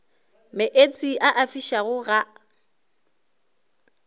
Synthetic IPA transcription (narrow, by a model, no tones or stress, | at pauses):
mɪʔet͡sʼiʔaʔafiʃaɣʊɣa